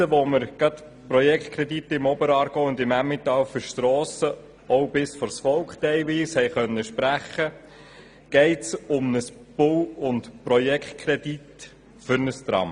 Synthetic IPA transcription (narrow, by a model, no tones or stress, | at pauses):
əʋoməɾɡ̥ɾɑt̪ | pɾɔjɛkχt̚kʰɾɛdit̪ːəɪmɔbəɾɑːɾɡ̥oʊʊnd̪ɪmæmːɪt̪ɑːwfəʃtɾɔːsə | ɔwbɪsfɔɾsfɔlkχtɛɪʋiːshɛɪχœnːəʃpɾæχə | ɡ̥ɛɪtsʊmnəs | b̥ʊwʊntpɾɔjɛkχt̚kʰɾɛd̥̪it̪ | fʏɾnəst̪ɾɑ̰m